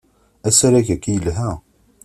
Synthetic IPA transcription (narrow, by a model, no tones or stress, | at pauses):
æsaɾæçækijəlɦæ